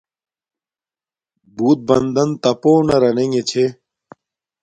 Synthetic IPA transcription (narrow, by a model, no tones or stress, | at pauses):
buːt̪̚bɐnd̪ɐnt̪ɐpoːnɐɾɐneŋet͡ɕʰe